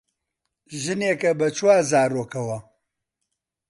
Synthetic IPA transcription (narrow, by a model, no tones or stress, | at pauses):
ʒɨneːkɐbɐt͡ʃʰwaːzaːɾoːkɐwɐ